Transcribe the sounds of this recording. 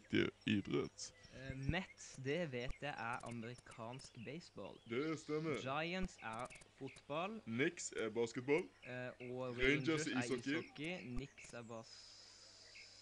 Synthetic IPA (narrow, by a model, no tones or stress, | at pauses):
kt̪ɪ̰iːbɾœ̰t̪mɛt̪sd̪ɛʋeːt̪jæɪʔæʁɑ̰məɾɪkʰɑːnskbeɪsbɔ̰ːld̪ɛst̪ɛmːəd͡ʒɑɪənt̪sæʁfʊt̪bɑlnɪksæbɑːskət̪̚bɑlɔʁeɪnd͡ʒəsɪɔkːɪkːɪnɪksæbɑːs